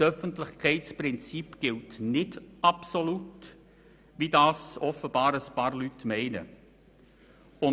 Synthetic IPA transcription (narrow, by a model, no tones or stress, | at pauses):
sœfəntlɪçkʰɛɪtt͡spɾɪnt͡sipɡ̥ɪltnɪdʔɑpsolut | vidɑːsɔfəb̥ɑːɾəspɑːɾlytmɛɪnə̰ | ʊ